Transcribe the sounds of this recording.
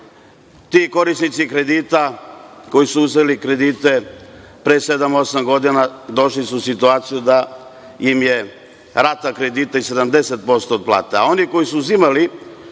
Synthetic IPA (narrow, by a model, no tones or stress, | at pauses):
t̪iko̞ɾisnit̪sikɾe̞d̪iːt̪ako̞jisuuzelikɾe̞d̪iːt̪e̞ | pɾeːse̞d̪amo̞samɡo̞d̪inad̪o̞ʃlisusit̪uaːt̪sijud̪a | imje̞ | ɾat̪akɾe̞d̪iːt̪aise̞d̪amd̪e̞set̪̚po̞st̪o̞ːd̪̚plˠa̰ːt̪ea̰o̞niko̞jisuuzimali